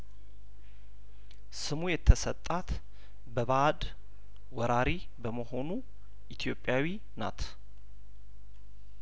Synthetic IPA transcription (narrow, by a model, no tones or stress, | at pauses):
sɨmujɛt̪ʰːəsət̪ʼːat̪ | bəβad̪ | wɔɾaɾi | bəməho̞nu | ʔit̪ʰjo̞pʼːjawi | na̰t̪ʰ